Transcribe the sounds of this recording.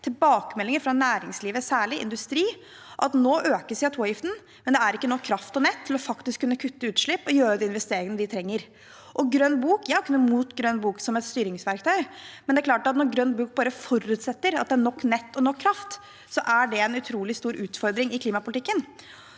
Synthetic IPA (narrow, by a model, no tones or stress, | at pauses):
t̪ʰɪlbɑːkəmɛlɪŋəɾfɾɑnæːɾɪŋsliːʋəsæːɭɪʔɪ̰nd̪ʉst̪ɾiː | ʔɑt̪noːʔøːkəsʋɪɑt̪ʰoːjɪft̪n̩ | mɛnd̪ɛæɾɪkːənɔkʰːɾɑft̪ɔnɛt̪ʰːɪlɔfɑkt̪ɪskʰːʉnːəkʰʉt̪ːəʉːt̪ʂɭɪpːɔjøːɾəd̪ɛɪnʋɛst̪eːɾɪŋənəʋɪt̪ʰɾɛŋːəɾ | ʔɔɡɾœnbuːkjæːkʰʉnːəmuːt̪ɡɾœnbuːksɔmɛt̪st̪yːɾɪŋsʋæɾk̚t̪ʰœʏmɛnd̪ɛæklɑːʈɑt̪nɔɾɡɾœnːbuːk̚bɑːɾəfɔɾʉt̪sɛt̪ːəɾɑt̪̚d̪ɛæɳɔkːnɛt̪ːɔnɔkʰːɾɑft̪ | sɔʔæɖɛɛnʉt̪ʰɾuːlɪst̪uːɾʔʉːt̪fɔɾd̪ɾɪŋɪkʰliːmɑpʊlt̪ɪkːən